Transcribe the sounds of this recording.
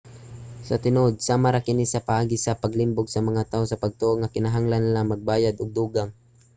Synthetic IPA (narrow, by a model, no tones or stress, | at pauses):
sɐt̪ɪnod̪̚saːmaɾakɪnisɐpɐʔaːɡɪsɐpɐɡlɪmbʊɡsɐmɐŋat̪aːosɐpɐɡ̚t̪oʔoŋːakɪnaɦaŋlanːlaŋmɐɡ̚baːjad̪ʊɡ̚d̪uːɡaŋ